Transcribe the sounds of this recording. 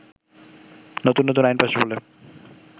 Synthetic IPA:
not̪unːot̪unajnpaʃebolːe

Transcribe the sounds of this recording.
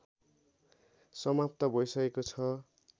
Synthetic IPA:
sʌmap̚t̪ʌbʱʌjsʌkekot͡sʰʌ

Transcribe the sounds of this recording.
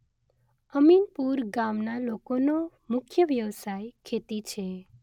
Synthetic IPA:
əminpuɾɡamnalokono | mʊkʰjəʋjəʋsajkʰet̪it͡ʃʰe

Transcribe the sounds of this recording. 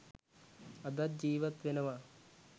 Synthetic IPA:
ɐd̪ɐd͡ʑiːʋɐt̪ʋinɐʋa

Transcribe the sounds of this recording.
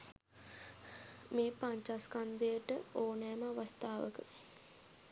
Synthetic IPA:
meːpaɲt͡ʃaskand̪əjəʈəoːnɛːməaʋast̪aːʋə̰kə

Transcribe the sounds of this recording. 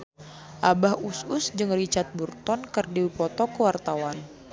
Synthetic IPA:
ʔabahusʊsd͡ʒɨŋrit͡ʃat̪̚burt̪ɔnkərdiwipɔt̪ɔkəwart̪awan

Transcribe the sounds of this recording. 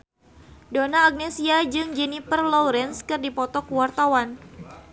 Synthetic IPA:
donaːk̚nesiad͡ʒɨŋd͡ʒɛnipərlɔwɾɛnskɨrdipɔt̪ɔkuwart̪awan

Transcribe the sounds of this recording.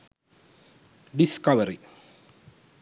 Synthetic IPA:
ɖɪskɐʋɐɾi

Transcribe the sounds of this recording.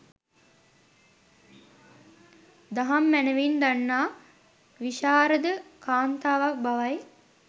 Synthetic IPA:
d̪aɦamːænəʋind̪anːaː | ʋiʃaːɾəd̪əkaːnt̪aːʋak̚baʋaj

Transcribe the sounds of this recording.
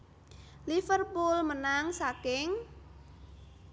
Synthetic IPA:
lifərpulmənaŋsakɪŋ

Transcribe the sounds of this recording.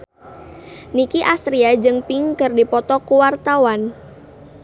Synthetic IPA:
nikiʔast̪ɾiad͡ʒɨŋpiŋkɨrdipɔt̪ɔkuwart̪awan

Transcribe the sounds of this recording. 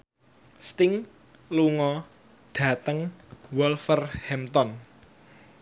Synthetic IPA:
st̪ɪŋ | luŋɔ | ɖ̥ä̤t̪əŋwɔlfərhɛmt̪ɔn

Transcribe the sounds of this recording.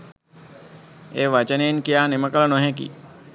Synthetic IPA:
eːʋat͡ʃəneːnkijaːneməkələnoɦɛ̃k̬ḭ

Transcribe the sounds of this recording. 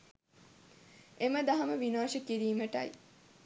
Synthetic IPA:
eməd̪ɐɦɐməʋinaːʃəkiɾiːməʈɐ̰j

